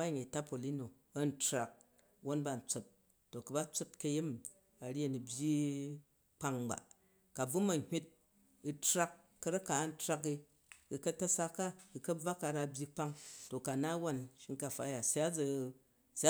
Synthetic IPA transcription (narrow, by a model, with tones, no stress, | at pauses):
a˦˨ɲe˨ta˦po˨li˦no˨ | ɐ˦n̩˦tɾa˨k̚ | wo˦nba˨n̩˨t͡so˨tː | o˨kɐ˨ba˦t͡so˦tkɐ˧ji˦m | a˨ɾʲe˦˨nu˨bʲji˦ | k͡pa˦ŋba̰˨ | ka˨b͡vu˦mɐ˨hʲi˦t̚ | i˧tɾa˦kːɐ˨˧ɾa˦ka˨˦n̩˦tɾa˧ki˧ | i˧˨kɐ˦tɐ˦sa˧kːa˦i˧kɐ˦b͡va˦ka˧ɾa˧bʲji˧k͡pa˦ŋto˨ka˨na˦wa˦˨nʃi˦ŋka˨fa˦ja˨sa˦d͡zɐ˧ | sa˦